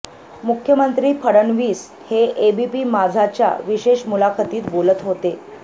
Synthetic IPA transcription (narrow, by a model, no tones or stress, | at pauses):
mukʰjəmənt̪ɾiːpʰəɽənʋiːs | heebipiːmad͡zʱat͡ɕja̰ʋiɕeɕmulakʰət̪iːt̪bolət̪ɦot̪e